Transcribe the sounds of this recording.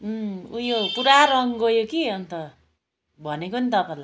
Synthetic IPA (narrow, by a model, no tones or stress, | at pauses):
ujopuɾaɾʌŋɡʌjokiʌnt̪ʌ | bʱʌnekonit̪ʌpala